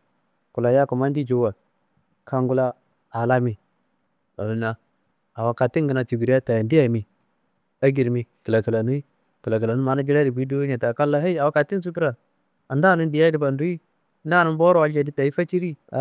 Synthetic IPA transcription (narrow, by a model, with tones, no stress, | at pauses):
ku˨la˨ja˦ku˨ma˦n˦di˦d͡ʒo˦wa˨ | ka˦ŋɡu˦la˦ | a˨la˦mi˨ | a̰˨lu˦na˦˨ | a˨wa˨ka˨ti˦ŋɡə˨na˨t͡ʃu˨ɡi˨ɾi˦a˦ta˨ja˨ndi˦ja˦˨mi˨ | a˦ɡi˨ɾmi˨ki˨la˨ki˨la˨ni˦ | kə˨la˨ki˨la˨nu˦ma˨na˦d͡ʒi˦la˦di˨bi˦du˦wa˦ɲa˨ta˨ka˦lːa˦ɦa˦i˦a˨wa˦ka˨ti˦n˦s̬u˦k̬i˦ɾa˨ | a˨nda˦˨ni˦ndi˨ja˦di˦ba˨ndu˦i˦˨ | nda˦˨nu˦n˦bo˦ɾwa˨d͡ʒa˨di˦ta˨i˦fa˦t͡ʃi˦ɾi˦˨